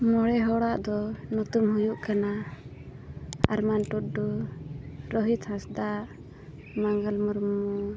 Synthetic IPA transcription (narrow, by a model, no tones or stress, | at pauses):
mɔɽɛɦɔɽaʔd̪ɔnɔt̪umɦujuʔkana | aɾmanʈut̚ɖu | ɾɔɦit̪hãsd̪aʔ | maŋɡalmɔɾmɔ